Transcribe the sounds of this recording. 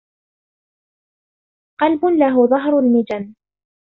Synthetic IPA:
qɑlbʊnlaɦʊðˤɑɦɾʊlmɪd͡ʒan

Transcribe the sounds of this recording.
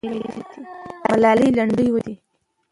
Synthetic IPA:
t̪imalɑlijlaɳɖəjwəd̪i

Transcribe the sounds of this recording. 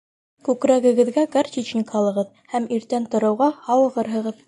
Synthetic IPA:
kʉkɾæɡɘ̆ɡɘ̆ðɡæɡɑrt̪ʲit͡ɕnʲɪkɑlˠɤ̆ʁɤð | hæmiɾt̪ænt̪ŏɾɤ̆wʁɑhɑwɤ̆ʁɤɾɦɤ̆ʁɤð

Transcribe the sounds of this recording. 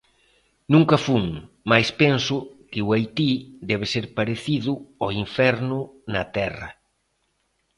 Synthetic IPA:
nũŋkɐfuŋ | majspensʊkɪuajt̪id̪ɛβ̞ɪseɾpaɾeθiðʊɔiɱfɛɾnʊnɐt̪ɛrɐ̰

